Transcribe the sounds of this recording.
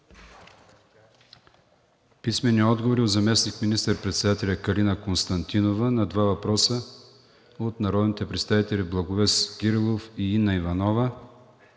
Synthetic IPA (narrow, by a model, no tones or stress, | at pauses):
pismɛnːiɔd̪ɡovoɾiozɐmɛsnikminist̪əɾpɾɛt̪sɛd̪at̪ɛlʲɐkɐlinɐkonst̪ɐnt̪inovənɐd̪vavɐpɾɔsə | ot̪nɐɾɔd̪nit̪ɛpɾɛt̪st̪avit̪ɛlʲiblˠɐɡovɛsɡʲiɾilˠofiinːɐivɐnɔvə